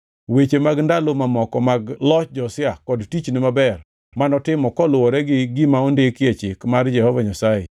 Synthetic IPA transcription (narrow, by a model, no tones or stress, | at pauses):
wet͡ʃemaɡndalomamɔkɔmaɡlɔt͡ʃd͡ʒɔsɪakɔdtit͡ʃnɪmabɛr | manɔtɪmɔkɔlʊwɔɾɛɡɪɡɪmaondekɪjet͡ʃɪkmard͡ʒɛhɔvaɲasajḛ